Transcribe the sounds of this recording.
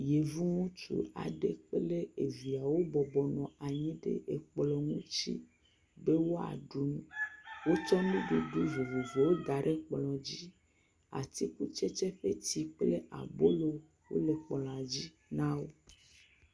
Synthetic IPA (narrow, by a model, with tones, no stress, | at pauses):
je˨vu˦ŋũ˦t͡ʃṵ˦a̰˨ɖḛ˨k͡ple˦e˨vi˨a˨wo˦bɔ˨bɔ˨nɔ̃˨a˨ɲĩ˦ɖḛ˨ʔe˨k͡plɔ˨ŋũ˦t͡ɕḭ˦ | be˦wo˦a̰˨ɖu˨nũ˦wo˦t͡ʃɔ˦nũ˦ɖu˦ɖu˦vo˨vo˨ve˨wo˦d̪a˨ɖe˦k͡plɔ̃˨d͡ʑi˦ | a̰˨t̪i˦ku˦t͡ʃe˦t͡ʃe˦ɸe˦t̪i˨k͡ple˦ʔa̰˨bo˦lo˨ | wo̰˦le˨k͡plɔ̃˨ã˨d͡ʑi˦ | nã˦wo˦